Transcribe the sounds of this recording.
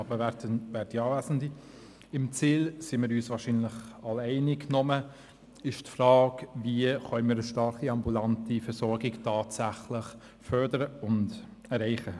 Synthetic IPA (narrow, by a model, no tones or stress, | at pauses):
ɑbəɛtəvɛːɾdiɑːvæsəndi | ɪmt͡siːlsimɪːɾyːsvɑːɾʃiːnlɪχɑlɛɪniknɔmə | ɪʃtfrɑːkviəχœnnmiːɾəʃtɑɾχiɑmbulantifɛɾsɔɾɡɪktʰɑːtsæχlɪχ | fœɾdəɾəʊnd | ɛɾɛɪχə